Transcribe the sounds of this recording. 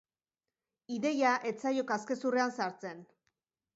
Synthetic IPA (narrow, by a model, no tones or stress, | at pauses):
iðe̞jaʔe̞t͡sajokaske̞sure̞ansaɾt͡se̞n